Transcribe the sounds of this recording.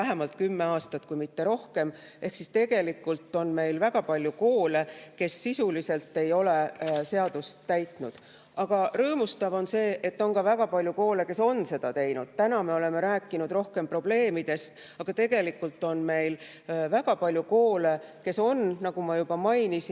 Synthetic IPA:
æɦe̞mɑlt̪̚kymːe̞ɑːst̪ɑt̪kujmit̪ːe̞ɾo̞hke̞m | e̞hksist̪e̞ɡ̥e̞likːˑult̪ːˑo̞nme̞jlvæɡ̥ɑpɑlʲjuko̞ːle̞ke̞sːisulise̞lt̪ːe̞jo̞le̞se̞ɑd̪̥ust̪ːæjt̪ˑnud̪̥ | ɑɡ̥ɑrɤːmust̪ɑvo̞nse̞ːʔe̞t̪ːo̞nkɑvæɡ̥ɑpɑlʲjuko̞ːle̞ke̞so̞nːse̞d̪̥ɑt̪e̞jnud̪̥t̪ænɑme̞o̞le̞me̞ɾæːkːˑinud̪̥ɾro̞hke̞mpro̞b̥le̞ːmid̪̥e̞st̪ | ɑɡ̥ɑt̪e̞ɡ̥e̞likːˑult̪ːˑo̞nme̞jl | væɡ̥ɑpɑlʲjuko̞ːle̞ke̞so̞nnɑɡ̥umɑjub̥ɑmɑjnisi

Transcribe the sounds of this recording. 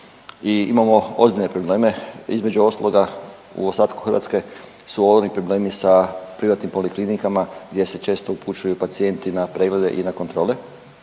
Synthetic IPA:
iimamo̞ozbiʎne̞pɾo̞ble̞ːme̞izme̞d͡ʒuo̞st̪alˠo̞ɡa | ṵost̪aːt̪ku̥xrɾʋa̰ːt̪ske̞ | suoonipɾo̞ble̞ːmisapɾiʋat̪nimpo̞liklinikamaɡd̪je̞se̞t͡ʃe̞ːst̪o̞upʰut͡ʃujupat̪sije̞nt̪inapɾe̞ɡle̞d̪e̞̰ʔinakont̪ɾo̞ːle

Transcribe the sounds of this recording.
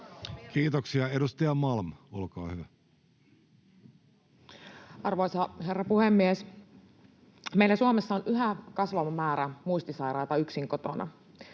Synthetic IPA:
kiːt̪oksiɑedust̪ɑjɑmɑlmolkɑːhyʋæ | ʔɑrʋojsɑɦe̞rːɑpuhemːies | meijlæsuomesːɑonʔyɦækɑsʋɑmɑmæːɾæmuist̪isɑjɾɑjt̪ɑyksiŋkot̪o̞nʔɑ̰

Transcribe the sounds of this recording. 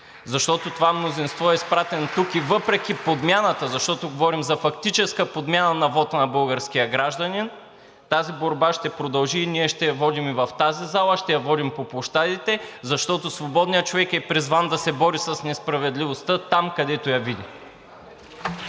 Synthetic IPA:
zɐʃt̪ɔt̪ot̪ovamnozinst̪vɔɛispɾat̪ɛnot̪ukivɤpɾɛk̟ʲipod̪mʲjanət̪əzɐʃt̪ɔt̪oɡovɔɾimzɐfɐkt̪it͡ʃɛskəpod̪mʲjanənɐvɔt̪nɐbɤlˠɡəɾskijəɡɾaʒd̪ənin | t̪aziboɾbaʃt̪ɛpɾod̪ɐlˠʒiːniɛʃt̪ɛjɐvɔd̪imivɐft̪azizalˠəʃt̪ɛjɐvɔd̪impoplˠoʃt̪ad̪it̪ɛzɐʃt̪ɔt̪osvobɔd̪nijət͡ʃovɛkɛpɾizvand̪ɐsɛbɔɾisɐsnɛspɾɐvɛd̪livost̪ət̪amkɐd̪ɛt̪ojɐvid̪ʲi

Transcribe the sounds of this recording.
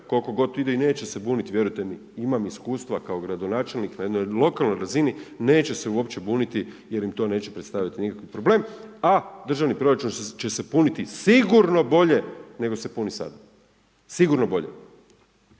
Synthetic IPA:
ko̞lko̞ɡo̞t̪id̪eine̞ːt͡ɕesebuːnit̪iʋje̞ɾujt̪emi | imamiskuːst̪ʋakao̞ɡɾad̪o̞naːt͡ʃe̞lniknajed̪no̞jlo̞kalˠno̞jɾazinine̞ːt͡ɕe̞se̞uo̞pt͡ɕe̞buːnit̪i | je̞ɾimt̪o̞ne̞ːt͡ɕepɾe̞t̪st̪aʋjat̪inikakʋipɾo̞ble̞ːmad̪r̩ʒaʋnipɾo̞ɾat͡ʃunt͡ʃesepunit̪isiɡuɾno̞bo̞ʎe̞ne̞ɡo̞se̞punisa̰d̪a | siɡuɾno̞bo̞ʎḛ

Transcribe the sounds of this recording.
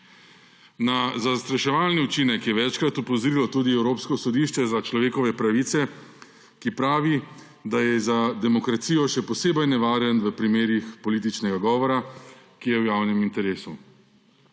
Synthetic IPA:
nazast̪ɾaʃɛʋaːlniut͡ʃiːnɛkjɛʋɛt͡ʃkɾat̪upɔzɾiːlɔt̪uːd̪iɛwɾoːpskɔsɔd̪iːʃt͡ʃɛzat͡ʃlɔʋeːkɔʋɛpɾaʋiːt̪sɛ | kipɾaːʋi | d̪ajɛzad̪ɛmɔkɾat̪siːjɔʃɛpɔseːbɐjnɛʋaːɾjənʋəpɾimeːɾixpɔliːt̪it͡ʃnɛɡaɡɔːʋɔɾakijɛwjaːwnɛmint̪ɛɾeːsu

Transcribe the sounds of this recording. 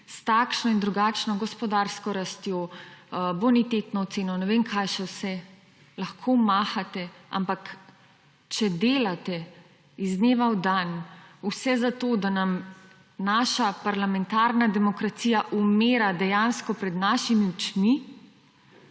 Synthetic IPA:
st̪akʃnɔind̪ɾuɡaːt͡ʃnɔɡɔspɔd̪aɾskɔɾast̪jo | bonit̪et̪nɔːt̪seːnɔnɛʋenkʰajʃɛwsɛ | laxkʰomaːxat̪ɛa̰mpak | t͡ʃɛd̪eːlat̪ɛ | izneːʋawd̪anusɛzat̪oːd̪anam | naːʃapaɾlamɛnt̪aɾnad̪ɛmɔkɾat̪sijaʔumeːɾad̪ɛjanskɔpɾɛd̪naʃimiwt͡ʃmi

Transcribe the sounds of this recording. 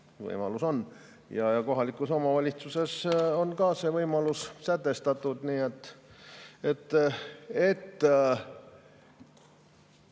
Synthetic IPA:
vɤ̰jmɑ̰luso̞n | jɑjɑko̞ɦɑlikːˑuso̞mɑvɑlʲit̪suse̞so̞nkɑːse̞vɤjmɑlussæt̪ːe̞st̪ɑt̪ˑːud̪niːet̪ːˑ | et̪ː | et̪ː

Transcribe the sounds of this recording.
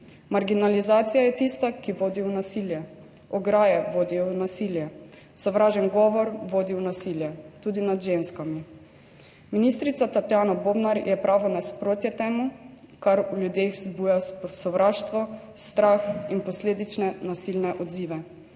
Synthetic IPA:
maɾɡinalizaːt̪sijajɛt̪ist̪akiʋoːd̪iunasiljɛ | ɔɡɾaːjɛʋoːd̪ijɔnasiljɛ | sɔʋɾaːʒɛnɡɔʋɔɾʋoːd̪iwnasiljɛt̪ud̪inad̪ʒenskami | minist̪ɾit̪sat̪at̪jaːnɔbobnaɾjɛpɾʔaːʋɔnaspɾoːt̪jɛt̪ɛːmu | kaɾuljud̪exzbuːjasɔʋɾaːʃt̪ʋɔ | st̪ɾaxinpɔsleːd̪it͡ʃnɛnasilnɛʔɔd̪ziːʋɛ

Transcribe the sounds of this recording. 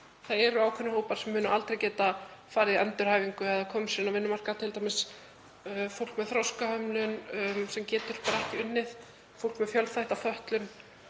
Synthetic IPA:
θaðɛɾʏaːwkʰvʏnahoːwpaɾ̥sɛmːʏːnʏʔalt̪ɾejcɛːt̪afaːɾɪðiɛnt̪ʏɾ̥haːjviŋkʏaðakʰɔːmsiːnavɪnːʏmar̥kat̪ʰɪlt̪ajmɪs | fowl̥kmɛðθɾɔwskahœmlʏnsɛmcɛːt̪ʏɾ̥pɾahcʏnːɪð | fowl̥kmɛðfjœlθajht̪afœht̪lʏn

